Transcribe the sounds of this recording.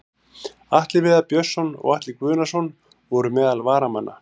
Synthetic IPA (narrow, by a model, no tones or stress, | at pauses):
aht̪lɪvɪðapjœsːɔnɔ̰ɣaht̪lɪkvʏːnasɔn | vɔɾʏmɛːðalvaːɾamanːa̰